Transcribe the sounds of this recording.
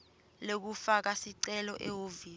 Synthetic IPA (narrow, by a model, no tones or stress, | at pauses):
lek̬ufak̬asiǀɛlɔʔɛoviː